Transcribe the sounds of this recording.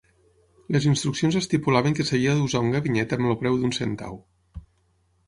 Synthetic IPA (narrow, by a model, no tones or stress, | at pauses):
ləzinst̪ɾuksionzəst̪ipulaβəŋkəsəβiəðuzauŋɡəβiɲɛt̪əmlopɾɛwðunsent̪a̰w